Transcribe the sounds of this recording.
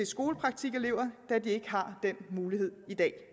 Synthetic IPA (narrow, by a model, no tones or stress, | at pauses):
e̝sɡ̥o̝ːləpʰʁɑ̈ɡ̥̚t͡sʰiɡ̥ele̝ʊ̰ɐd̥ædie̝ɡ̥əɦɑ̈d̥en̰muːlihe̝ð̰ˠid̥ɛ̰ː